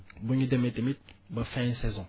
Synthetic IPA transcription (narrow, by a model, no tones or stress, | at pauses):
buɲidemet̪emit̪̚bəfɛ̃sɛzɔ̃